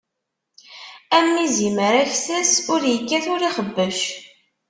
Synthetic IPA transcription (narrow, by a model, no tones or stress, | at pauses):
æmːiziməɾæçθæsʊɾjəkːæθʊɾiχəbːəʃ